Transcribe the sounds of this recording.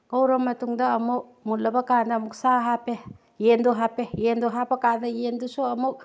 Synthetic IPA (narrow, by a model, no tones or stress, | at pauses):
ɡɐwɾɐmːɐtuŋdɐːmuk̚mulɐbɐkanɐːmuk̚saɦape | jenduɦapejenduɦapɐkaɾnɐjendusuɐmuk̚